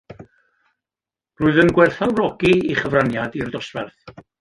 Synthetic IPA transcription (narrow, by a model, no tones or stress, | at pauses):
rʊːɨðənɡwɛrθalˠrɔɡiiχəvranjadirdɔsvɛrθ